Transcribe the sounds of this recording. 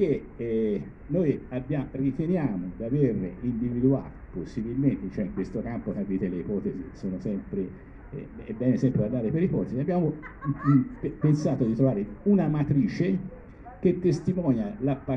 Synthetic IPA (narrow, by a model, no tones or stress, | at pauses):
ke | nojabːjarit̪enjaːmod̪averind̪ivid̪ua̰ːt̪oposːibilment̪et͡ʃoɛiŋkwest̪okampokavːiːt̪eleipɔːt̪ezisoːnosɛmpɾḛ | ɛbːɛːnesɛmpɾeand̪aːɾepeɾipɔːt̪eziabːjaːmo | pensaːt̪od̪it̪ɾovaːɾeunamat̪ɾiːt͡ʃe | k̟et̪ːest̪imɔːnjalapːa